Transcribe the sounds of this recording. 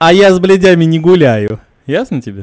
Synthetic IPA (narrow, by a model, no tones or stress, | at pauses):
ɐjazblʲɪdʲamʲɪnʲɪɡʊlʲæjʊ | jasnətʲɪbʲe